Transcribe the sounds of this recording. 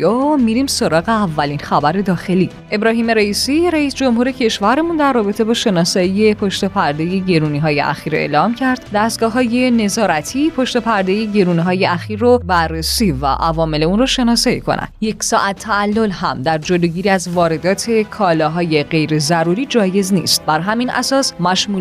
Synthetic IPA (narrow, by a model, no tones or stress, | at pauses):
omiɾimso̞ɾɒːɣe̞ævːælinxæbæɾe̞d̪ɒːxe̞li | ʔe̞bɾɒːhiːme̞ɾeiːsiɾæisd͡ʒo̞mhuːɾe̞cʰe̞ʃvæɾemund̪ærːɒːbe̞t̪ʰe̞bɒːʃe̞nɒːsɒije̞pʰo̞ʃt̪epʰæɾd̪eje̞ɟe̞ɾuːniɦɒːje̞̰ʔæ̰xiːɾe̞̰ːlɒːmcʰæɾd̪̥d̪æst̪ɡɒːɦɒːje̞ne̞zɒːɾæt̪ʰiːpʰoʃt̪epʰæɾd̪e̞jeɟe̞ɾuːniɦɒːje̞ʔæxiːɾːobærːesiːvæ̰ʔævɒːme̞le̞unɾrɔʃe̞nɒːsɒikʰo̰næ̰d̪je̞csɒːʔæt̪ʰːæːlːo̞lhæmd̪æɾd͡ʒoloːɟiːɾiæzvɒːɾe̞d̪ɒːt̪ʰe̞kʰɒːlɒːɦɒːje̞ɢe̞jɾezæɾuɾiːd͡ʒɒːje̞znḭːst̪̚bæɾɦæminʔæ̰sɒːsmæʃmuː